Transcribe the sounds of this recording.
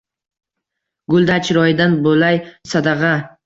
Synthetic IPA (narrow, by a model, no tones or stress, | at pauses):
ɡʊlˠd̪at͡ʃʰɾɒjɪd̪anbolajsad̪ɑʁɑ